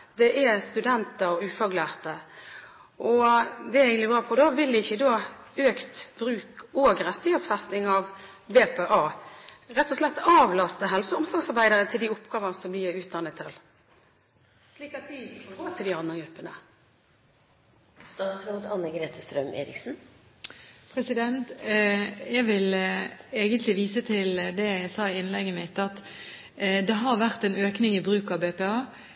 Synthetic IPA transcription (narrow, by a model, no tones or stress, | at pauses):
d̪ɛʔæst̪ʉd̪ɛnt̪əɾʉːfɑɡlæːʁt̪ə | ʔɔd̪ɛæɾɛɪɡənɪbɾɑːpʰɔd̪ɑːʋɪld̪ɪɪçəd̪oː | øːkt̪bɾʉːkɔɡɾɛt̪ːɪheːt̪sfæst̪nɪŋɑʋ | beːpʰeːʔɑːɾɛt̪ːɔslɛt̪ːɑːʋlɑst̪əɦɛlsəɔmsɑŋsɑɾʁbæɪd̪əɾət̪ʰɪld̪iːʊpːɡ̥ɑːʋənsɔmbliːʉːt̪̚d̪ɑnːət̪ʰːɪl | sliːkɑt̪̚dɪfɔɡoːt̪ʰɪld̪ɪɑnd̪əɡɾʉpːənə̰ | st̪ɑːt̪sɾoːd̪əɑnːəɡɾeːt̪ʰəst̪ɾœmʔḛːɾɪ̰ksn̩ | pʰʁɛsɪd̪ɛnt̪ | jɛɡʋɪleːɡənt̪ʰlɪʋiːsət̪ʰɪld̪ɛsɑːɪɪnlɛɡːəmɪt̪ːɑt̪ | d̪ɛɦɑʁʋæʁt̪ɛnøːknɪŋɪbʁʉːkɑʋbeːpɛɑː